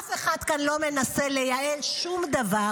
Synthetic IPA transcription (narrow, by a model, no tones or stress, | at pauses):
ʔafeχad̪kanlo̞me̞nasele̞jaʔelʃumd̪ava